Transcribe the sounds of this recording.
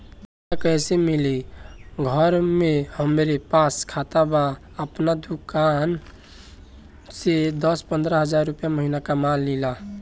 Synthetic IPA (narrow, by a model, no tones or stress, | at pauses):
akəɦsemiliɡʱəɾmehəmɾepaskʰat̪aba | əpnad̪ukan | sed̪əspənd̪ɾəɦəd͡ʒaɾːupjaməɦinakamalːila